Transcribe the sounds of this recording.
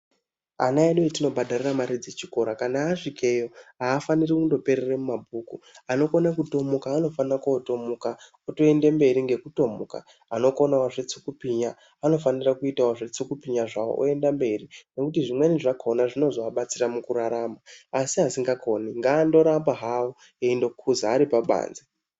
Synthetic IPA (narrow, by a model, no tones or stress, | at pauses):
a̰naeɗoitino̞bʱadʱariramaɾid͡ze̞t͡ʃi̥ko̞ɾakanaːʂikʰe̞jo̞ɦaːfanirikundo̞pe̞ɾeremumabʱukuano̞konakuto̞mukaːno̞fanirakoto̞muka | oto̞e̞nde̞mbe̞ɾiŋɡe̞kuto̞muka̰ | ano̞ko̞nawaʐet͡sukupiɲa | ano̞fanirakuitawaʐet͡sukupiɲaʐawo̞̰ʔo̰e̞ndambe̞rine̞kutiʐimweniʐakonaʐino̞zoaɓat͡siramukuɾaɾamaːsiɦasiŋɡako̞niŋɡaːndo̞ɾambaɦawo | eindo̞kʰuzaːɾipaɓa̰ːnze